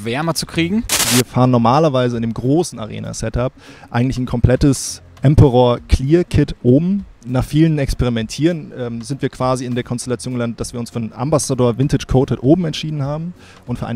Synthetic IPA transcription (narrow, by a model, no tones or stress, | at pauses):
vɛɐmət͡su̥kʁ̥iːɡŋ̩viːɐfaːʁənɔɐmaːlɐvaɪzəɪndeːmɡʁoːsn̩a̰ʁḛːna̰sɛtap̚ʔa̰ɪɡŋ̩tlɪçnkʰɔmpl̥ɛtəs | ʔɛmpəʁoɐkʰl̥iːɐkʰɪtʔoːbm̩naːχfiːlənɛkspeʁimɛntʰiːʁənʔɛːmzɪntv̥iːɐkv̥aːziɪndeːɐkʰɔnstɛlat͡sjoːnəlandətd̥asv̥iːʊnsfyɐnʔa̰mbasadoːɐvɪntɪt͡ʃkʰoːtətʔoːbm̩ɛntʃiːdn̩haːbm̩ | ʔʊntfyːɐʔaɪn